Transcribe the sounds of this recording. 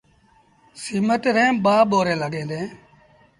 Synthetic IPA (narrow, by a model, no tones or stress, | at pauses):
siməʈɾɛ̃ːɓaːɓoːɾẽːləɡẽːd̪ẽː